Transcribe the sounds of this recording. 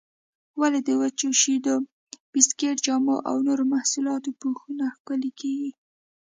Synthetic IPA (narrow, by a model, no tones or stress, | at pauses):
waled̪əwət͡ʃoʃid̪o | b̥ɪskeʈ̚d͡ʒɑmoʔa̰wnoɾomahsulɑt̪opuxunaxkəlikeɡi